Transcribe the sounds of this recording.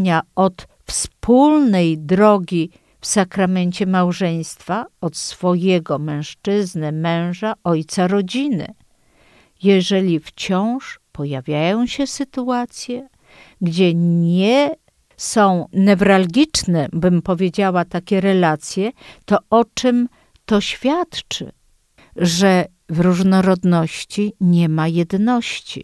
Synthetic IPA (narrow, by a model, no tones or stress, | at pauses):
ɲaɔt̪ | fspulnɛjd̪ɾɔɡʲi | fsakɾamɛɲt͡ɕɛmawʐɛj̃st̪faɔt̪sfɔjɛɡɔmɛ̃w̃ʂt͡ʂɘznɘmɛ̃w̃ʐaʔɔjt̪saɾɔd͡ʑinɘ̰ | jɛʐɛlʲift͡ɕɔ̃w̃ʂpɔjavʲjajɔ̃w̃ɕɛsɘt̪uat̪sʲjɛ | ɡd͡ʑɛɲɛ | sɔ̃w̃nɛvɾalɡʲit͡ʂnɛbɘmpɔvʲjed͡ʑawat̪akʲɛɾɛlat̪sʲjɛt̪ɔɔt͡ʂɘm | t̪ɔɕfʲjat̪t͡ʂɘ̰ | ʐɛ | vɾuʐnɔɾɔd̪nɔɕt͡ɕiɲɛmajɛd̪nɔɕt͡ɕḭ